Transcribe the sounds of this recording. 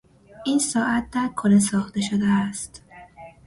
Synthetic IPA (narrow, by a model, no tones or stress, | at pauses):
ʔiːnsɒːʔæt̪̚d̪æɾkʰoles̬ɒːxt̪e̞ʃod̪eæst̪